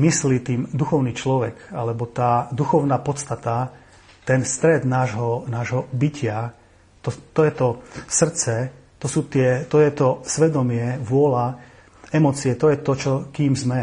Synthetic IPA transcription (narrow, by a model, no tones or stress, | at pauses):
mislit̪iːmd̪uxɔʊniːt͡ʃlɔʋɛɡa̰lɛbɔt̪aːd̪uxɔʊnaːpɔt̪st̪at̪a | t̪ɛnst̪ɾɛd̪naːʒɦɔnaːʒɦɔbicɪa | t̪ɔt̪ɔjɛt̪ɔsr̩t͡sɛ | t̪ɔsuːt̪ɪɛt̪ɔjɛt̪ɔsʋɛd̪ɔmɪɛʋʊɔla | ɛmɔt͡siɛt̪ɔjɛt̪ɔt͡ʃɔkiːmzmɛ